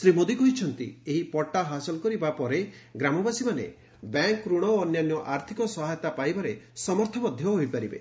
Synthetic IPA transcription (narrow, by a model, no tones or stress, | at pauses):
sɾimod̪ikɔɦit͡ʃʰɔnt̪ḭeɦipɔʈːaɦasɔlɔkɔɾibapɔɾeɡɾamɔbasimanḛ | baŋkːɾuɽ̃ɔːnjanjɔʔaɾt̪ʰikɔsɔɦajɔt̪apajbaɾesɔmɔɾt̪ʰɔmɔd̪ʱjɔɦoipaɾibḛ